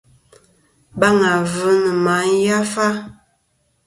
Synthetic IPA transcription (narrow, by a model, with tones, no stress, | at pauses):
ba˦ŋa˨və˨˦nə˨ma˨˦n̩˦ja˦fa˦